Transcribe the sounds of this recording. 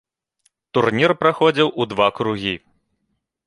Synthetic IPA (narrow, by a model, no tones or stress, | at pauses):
t̪urnʲirpɾaxɔd͡zʲiwʔud̪vakɾuɣʲi